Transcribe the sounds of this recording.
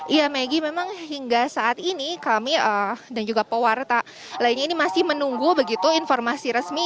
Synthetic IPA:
ʔijameɡimemaŋɦiŋɡasaʔat̪inikamiʔəːdand͡ʒuɡapəwart̪a | lainɲainimasɪhmənuŋɡubəɡit̪uinformasiɾəsmi

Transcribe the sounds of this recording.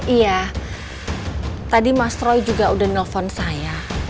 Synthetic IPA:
ija | t̪adimast̪ɾɔjd͡ʒuɡaudanəlfɔnsaja

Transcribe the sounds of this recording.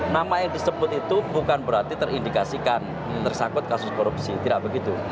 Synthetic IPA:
namajaŋdisəbʊt̪̚it̪ubukanbəɾart̪it̪ərindikasikan | ərsakʊt̪̚kasʊskoɾup̚sit̪idaʔbəɡit̪u

